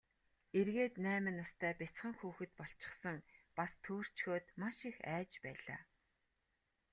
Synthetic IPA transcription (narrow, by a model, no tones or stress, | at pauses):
erɣeːt̪næːmɘ̆nːast̪ʰæːpʲɪt͡sχə̆ŋxuːxɘ̆t̪̚pɔɬt͡ɕɪ̥̆χsə̆ŋpast̪ʰoːr̥t͡ɕxoːt̪maʃixæːt͡ɕpæːɮa̰ː